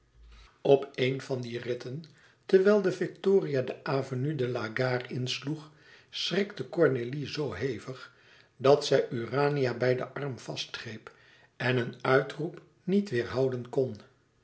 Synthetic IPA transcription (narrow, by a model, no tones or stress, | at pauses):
ɔpejnvɑndirɪtən | tərʋɛlˠdəvɪktʊːriadəʔaːvonydəlaɡaːrɪnsluχ | srɪkdəkɔɹnelizowɦejvəχ | dɑtsɛjʔyraːnijabɛjdə̰ʔɑrmv̥ɑstχrejp | ɛnənœɥtrup | nitʋɪːɹɦɑwdənkɔn